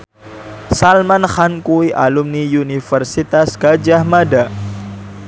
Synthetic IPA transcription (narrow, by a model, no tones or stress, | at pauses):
salmanxankuiʔalumnijunifərsit̪asɡ̥ad͡ʒahmada